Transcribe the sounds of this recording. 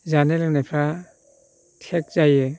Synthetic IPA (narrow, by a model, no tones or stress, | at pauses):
zaneleŋnapʰɾa | tʰek̚zaje